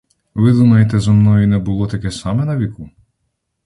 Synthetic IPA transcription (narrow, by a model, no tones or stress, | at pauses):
ʋɪd̪umɐjet̪̬ɛzɔmnɔjunɛbʊlˠɔt̪ɐkɛsɑmɛnɐʋʲiku